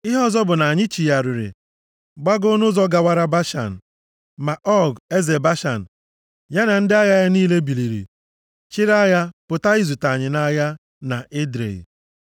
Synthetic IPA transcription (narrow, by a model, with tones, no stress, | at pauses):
ɪ˦ɦɔ˦zɔ˦bʊ˨na˨ɲɪ˦t͡ʃi˨ja˨ɾi˨ɾɪ̰˨ | ɡ͡ba˦ɡʊ˦nʊ˦zɔ˦ɡa˨wa˦ɾa˦ba˦ʃa̰˨n̩˨ | ma˨ʔɔ˦˨ɡe˦ze˨ba˦ʃa˨n̩˨ | ja˦na˨n̩˦dɪ˦a˦ja˦ja˦niː˦le˦bi˨li˨ɾḭ˨ | t͡ʃɪ˦ɾa˦ja˦pʊ˨ta˦i˦zu˨ta˨ɲɪ˨na˦ja˦ | na˨ɪ˦dɾḛ˨ḭ˨